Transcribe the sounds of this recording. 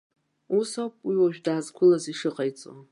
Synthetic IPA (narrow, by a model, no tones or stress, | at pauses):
usowpʼwiwaʒᶣdaːzkʷʰʊlaziʂɨqʼajt͡sʼo̰